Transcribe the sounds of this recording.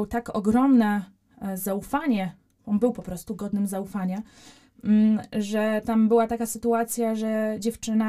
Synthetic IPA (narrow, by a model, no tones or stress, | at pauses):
wt̪akɔɡɾɔmnɛ | zaufaɲɛ | ɔnbɘwpɔpɾɔst̪uɡɔd̪nɘmzaufaɲa | ʐɛt̪ambɘwat̪akasɘt̪uat̪sʲjaʐɛd͡ʑɛft͡ʂɘna